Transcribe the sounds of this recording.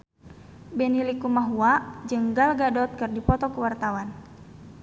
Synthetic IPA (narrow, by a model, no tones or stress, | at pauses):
bɛnilikumaɦuad͡ʒəŋɡalɡadɔt̪̚kɨrdipɔt̪ɔkəwart̪awan